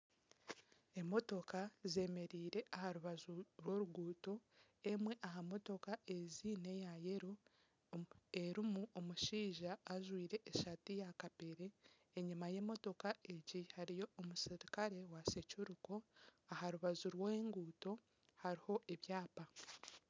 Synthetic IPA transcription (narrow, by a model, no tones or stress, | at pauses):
e̞mo̞to̞kaze̞me̞ɾiːɾe̞ʔahaɾuβazuɾwo̞ɾuɡuːto̞ | emwe̞ʔaɦamo̞to̞kaʔe̞ziːne̞jaje̞ɾu | e̞ɾimuʔo̞muʃiːʒaːʒwiːɾe̞ʔːʃatijakapeɾe̞ː | ɲimaje̞ːmo̞to̞kae̞ɟihaɾijo̞omusiɾikaɾe̞wase̞cuɾuko̞ahaɾuβazuɾweːŋɡuːto̞ | haɾiho̞ʔe̞βjaːpa